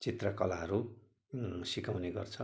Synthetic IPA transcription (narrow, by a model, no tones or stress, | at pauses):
t͡sit̪rʌkʌlaɦʌɾu | sikawneɡʌ̰rt͡sʰʌ